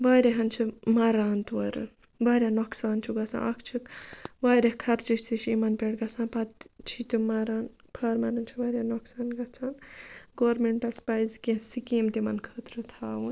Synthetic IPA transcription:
ʋaːɾeɦɐnt͡ʃʰimɐɾaːnt̪ʋɐɾɨ̰n | ʋaːɾʲaːnoksaːnt͡ʃʰuɡɐt͡sʰã̰ːʔɐkʰt͡ʃʰikʋaːɾekʰɐɾt͡ʃiʃʲt̪ʰit͡ʃʰimɐnpeɽɡɐsʰãːnpɐt̪t͡ʃʰit̪ɨmɐɾaːn | pʰɐːɾmɐɾɐnt͡ʃʰiʋɐːɾʲjanoksaːnɡɐt͡sʰaːnɡoːɾmeɳʈɐspajzkesikeːmt̪imɐnkʰəːt̪ɾɨt̪ʰaːʋun

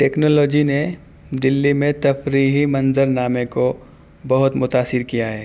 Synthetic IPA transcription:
ʈɛːknɔːlɔːd͡ʒine | d̪ɪlːimẽt̪ɐfɾiːɦimɐ̃nzəɾnaːmeko | bɐɦʊt̪mʊt̪aːsɪɾkijaɦɛː

